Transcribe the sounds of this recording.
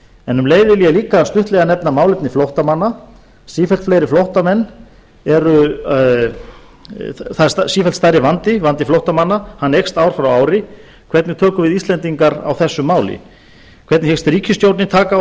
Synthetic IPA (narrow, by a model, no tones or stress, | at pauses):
ɛnʏmleːjðɪliːɣaliːkast̪ʏht̪lɛɣanɛp̚namaːwlɪpnɪflowht̪amanːa | siːfɛlt̪flejɾɪflowht̪amɛnː | ɛɾʏ | θasiːfɛlt̪st̪ajɾɪvant̪ɪvant̪ɪflowht̪amanːahanːejkst̪aːwɾ̥fɾawaːwɾɪ | kʰvɛɾt̪nɪt̪ʰœːkʏvɪðist̪lɛnt̪iŋkaɾa̰wθɛsːʏmaːwlɪ̰ | kʰvɛɾt̪nhɛkst̪ɾiːcʰʏst̪jowt̪nɪt̪ʰaːka